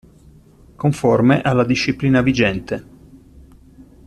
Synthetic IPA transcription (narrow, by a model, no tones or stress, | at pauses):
koɱformeʔalːad̪iʃːipliːnavid͡ʒɛnt̪e